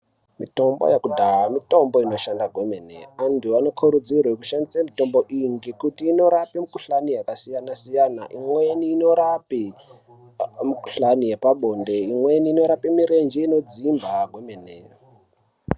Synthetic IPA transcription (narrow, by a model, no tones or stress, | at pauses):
mito̞mbo̰jekudʱaɦamito̞mbo̞ino̞ʃandaɡʱwemenḛantuano̞kʰuɾud͡zirwekuʃandisamito̞mbo̞ʔiŋɡekutiːno̞ɾapimukuɬanijakasijanasijanaʔimweniːno̞ɾapi | muku̥ɬanijepaɓo̞ndeimwe̞niːno̞ɾapimiɾend͡ʒeino̞d͡zimbʱaɡʱwemenḛ